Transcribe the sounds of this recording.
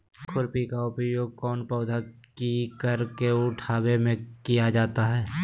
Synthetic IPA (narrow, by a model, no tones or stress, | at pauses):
kʰʊɾpikaʊpjoːɡ̚kɔːnpɔːʊd̪ʱa | kikəɾkeʊʈʰaːwemẽkijad͡ʒaːt̪aɦɛː